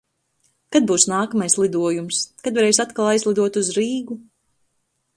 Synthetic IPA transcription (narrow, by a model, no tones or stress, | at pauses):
kad̪̚buːsnaːkamajslˠid̪uɔjumskad̪vaɾejsat̪kalˠajzlˠid̪uɔt̪uzɾiːɡu